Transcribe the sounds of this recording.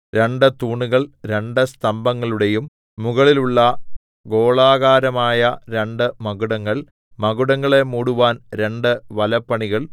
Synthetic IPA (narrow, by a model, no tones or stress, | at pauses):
ɾe̞ɳɖɨt̪uːɳuɣɐɭɾe̞ɳɖɨst̪ɐmbɐŋːɐɭuɽe̞jum | muɣɐɭiluɭːɐ | ɡo̞ːɭaːɣaːɾɐmaːjɐɾe̞ɳɖɨmɐɣuɽɐŋːɐɭ | mɐɣuɽɐŋːɐɭe̞muːɽuʋaːnɾe̞ɳɖɨʋɐlɐpːɐɳiɣɐɭ